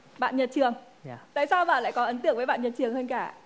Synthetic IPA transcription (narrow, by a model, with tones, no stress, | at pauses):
ɓa̰ː˧˨nɲə˨˩t̚t͡ɕɨ˨˩əŋ | t̪a̰ː˧˨jsaː˧wva̰ː˨˩la̰ː˧˨jkɔ˨˦ʔə˨˦nt̪ɨ̰˧˨əŋvəː˨˦jɓa̰ː˧˨nɲə˨˩t̚t͡ɕɨ˨˩əŋhəː˧nkaː˧˩